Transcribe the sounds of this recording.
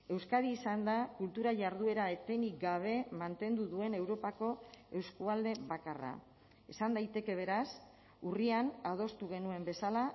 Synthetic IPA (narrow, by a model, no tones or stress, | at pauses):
e̞wskaðiːsand̪akult̪uɾaʝaɾð̞ue̞ɾaet̪enikɡaβ̞e̞mant̪e̞nd̪uðue̞ne̞wɾo̞pako̞e̞wskoald̪e̞βakara̰ | e̞sand̪ajt̪e̞ke̞β̞e̞ɾas | urianað̞o̞st̪uɣ̞e̞nue̞mbe̞sala